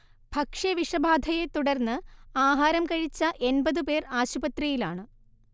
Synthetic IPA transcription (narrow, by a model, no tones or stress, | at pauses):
b̥ʱɐkʂɐʋiʂɐbʱaːd̪ʱɐjet̪uɽɐrnːɨaːɦaːɾɐmkɐɻit͡ɕːɐʔe̞nbɐðɨpe̞ːraːɕubɐt̪rijilaːɳɨ